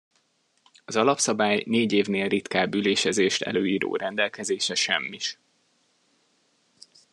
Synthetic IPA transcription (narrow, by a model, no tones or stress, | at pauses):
ɒzɒlɒpsɒbaːjneːɟeːvneːlrit̪kaːbyleːʃɛzeːʃt̪ʰɛ̰løːjiːɾo̰ːɾɛnd̪ɛlkɛzeːʃɛʃɛ̰mːiʃ